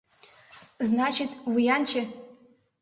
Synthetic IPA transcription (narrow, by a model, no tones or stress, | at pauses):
znat͡ʃʰɪtʰʼwijant͡ʃʰe